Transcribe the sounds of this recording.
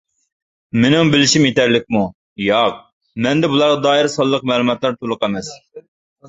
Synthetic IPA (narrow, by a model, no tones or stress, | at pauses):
menɪŋbɪlɪʃimjet̪æɾlɪk̚ʲmu | jɑq | mɛnd̪ɛbulˠɑɾʁɑd̪ɑːjɪɾsɑlˠːəqmɛːlˠumɑt̪lˠɑɾt̪ʰolˠʊqæmɛs